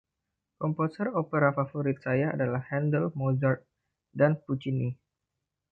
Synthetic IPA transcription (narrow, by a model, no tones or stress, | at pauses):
kɔmposəropeɾafafoɾit̪̚sajaa̰dalahhɛndəlmozart̪̚ | danput͡ʃini